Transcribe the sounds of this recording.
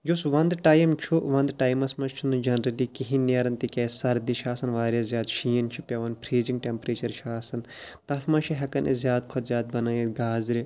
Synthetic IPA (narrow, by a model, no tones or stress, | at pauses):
jusʋɐnd̪ʈaːjɐmt͡ʃʰuʋɐnd̪ʈaːjmɐsmɐst͡ʃʰunud͡ʒɐnɾɐlikiɦinjɐɾɐnt̪ikʲɛːsɐɾd̪iʃʰaːsɐnʋaːɾʲjɐzʲjaːd̪ʃiːɐnt͡ʃʰipʲɐʋɐnpʰɾeːzĩŋɡ̚ʈʲempɾeːt͡ʃɐɾʃʰaːsɐnt̪ɐt̪ʰmɐʃʰiɦɐkɐnʔḛzʲjaːd̪kʰɐt̪zʲjaːd̪̚bɐnaːjiɡaːzɾi